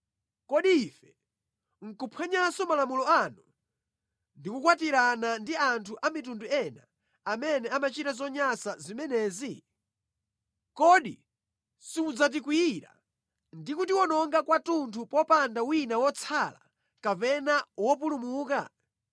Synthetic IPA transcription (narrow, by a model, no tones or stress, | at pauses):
kɔɗiːfɛ | ŋ̩kupʰwɛɲasɔmalamulɔanu | ndikukwatiɾanandiantʰuʔamitunduɛna̰ː | mɛnɛamat͡ʃitazɔɲasazimɛnɛːzi | kɔɗḭ | siud͡zat̬ikwiiɾa̰ | ndikutiwɔnɔŋɡakwatuntʰupɔpandawinawɔt͡sʰala̰ | kapɛnawɔp̬ulumuːka̰